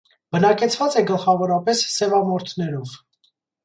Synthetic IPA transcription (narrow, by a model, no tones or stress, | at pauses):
bənɑkɛt͡sʰvɑt͡sɛɡəlχɑvɔɾɑpɛsːɛvɑmɔɾt̪ʰnɛɾɔv̥